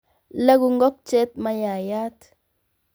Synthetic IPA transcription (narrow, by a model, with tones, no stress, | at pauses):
la˦ɡu˦ŋɡɔ˦k̚t͡ʃɛ˦t̪̚ma˦ja˨jaː˦t